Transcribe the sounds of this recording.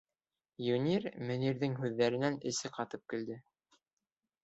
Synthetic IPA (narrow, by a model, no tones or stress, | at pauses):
junʲirmɘ̆niɾðɘŋɦʉðːæɾɘ̆nænɘ̆sɘqɑt̪ɤp̚kɘ̆ld̪ɘ